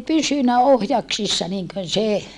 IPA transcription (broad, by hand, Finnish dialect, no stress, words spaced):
pysynæ ohjɑksisːɑ niŋkøn se